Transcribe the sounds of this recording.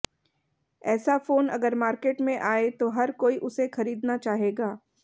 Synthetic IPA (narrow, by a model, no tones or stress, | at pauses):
ɛːsafoːnɐ̰ɡəɾmaːɾkeːʈmẽʔaːet̪oɦɐɾkoːiʔʊsexɐɾiːd̪nat͡ʃaːɦeːɡaː